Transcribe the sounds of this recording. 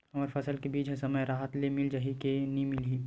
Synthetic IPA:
ɐəɾfʰɐsəlkebiːd͡ʒɦɛ̃sɐməjɾaːɦət̪lemɪld͡ʒaɦikenĩmɪlɦiː

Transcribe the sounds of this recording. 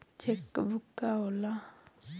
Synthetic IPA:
t͡ʃʰekːbʱukːaola

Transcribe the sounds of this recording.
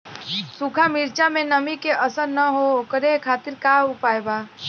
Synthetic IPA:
sukʰamiɾt͡ʃamenəmikeʔəsəɾnəɦookəɾekʰat̪iɾkaupajba

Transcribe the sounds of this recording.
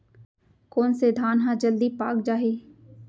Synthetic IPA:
koːnsed̪ʱaːnɦãːd͡ʒəld̪ipaːkd͡ʒaːɦeː

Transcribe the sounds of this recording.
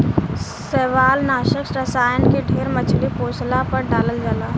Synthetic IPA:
seʋaːlnaːʃəksɾəsajənkeɖʰʱeːɾmət͡ʃʰlipoːslapəɾɖaːləld͡ʒaːlaː

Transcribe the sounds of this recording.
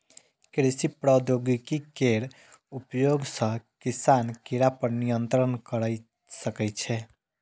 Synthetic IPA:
kɾisipɾɔd̪joɡikikeɾ | upjoɡsə̃kisankeɾapəɾnijənt̪ɾənkəɾəj | səkɛt͡ʃʰɛ

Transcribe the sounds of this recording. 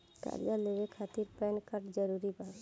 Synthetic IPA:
ka̰ɾjaleʋekʰaːt̪iɾpɾɛnkaɾʈd͡ʒəɾuɾibaː

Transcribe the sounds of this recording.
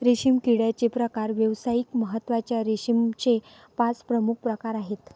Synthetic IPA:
ɾiɕimkiɽjat͡ɕepɾəkaɾʋjəʋsajikməɦət̪ːʋat͡ɕjaɾiɕimt͡ɕe | pat͡spɾəmuk̚ʰpɾəkaɾaɦet̪

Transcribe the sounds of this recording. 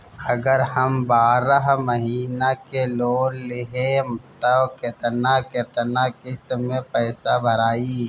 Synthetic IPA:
ɐɡəɾhɐmbaːɾəɦmɐɦiːnakeloːlɪɦemʊt̪əket̪naket̪nakɪst̪mẽpɛːsabʱɐɾaːiː

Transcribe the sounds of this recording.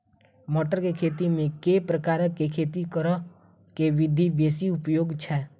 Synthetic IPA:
mɔːʈəɾkekʰeːt̪imẽkepɾəkaːɾəkekʰeːt̪ikəɾə | keʋɪd̪ʱibeːsiʊpjoːɡt͡ʃʰɛː

